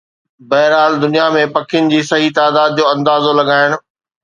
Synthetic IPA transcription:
bɐɦɪɾaːld̪ʊnijamẽpɐkʰɪjʊnɪ̆d͡ʑiːsɐɦit̪aːd̪aːd̪̚d͡ʑoːɐ̃nd̪aːzolɐɡaːɪɽ̃

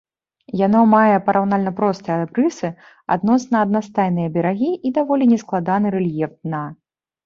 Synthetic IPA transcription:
janɔmajɛpɐɾʔawnalʲnɐpɾɔst̪ɨjɐbɾɨsɨ | a̰d̪nɔsnɐːd̪nast̪ajnɨjɐbʲɛɾaɣʲiʔid̪avɔlʲinʲɛsklˠad̪anɨɾɛlʲjɛft̪̚na

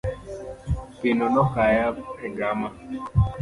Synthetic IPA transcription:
pinɔnɔkajaɛɡama

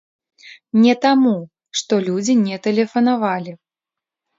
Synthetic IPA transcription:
nʲɛt̪amu | ʂt̪ɔlʲud͡zʲinʲɛt̪ɛlʲɛfɐnavalʲi

